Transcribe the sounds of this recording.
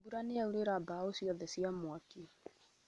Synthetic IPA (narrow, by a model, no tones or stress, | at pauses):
buɾaneauɾeɾabaosiɔðɛsiamwaki